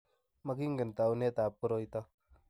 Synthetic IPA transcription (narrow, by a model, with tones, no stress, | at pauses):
ma˦ɡi˦ŋɡə˨nt̪a˨u˦ne˦t̪a˨pːu˦ɾo˦jt̪a˦